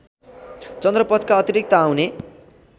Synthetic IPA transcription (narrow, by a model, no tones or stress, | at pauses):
t͡sʌnd̪rʌpʌt̪ʰkaʌt̪iɾik̚t̪ʌːwne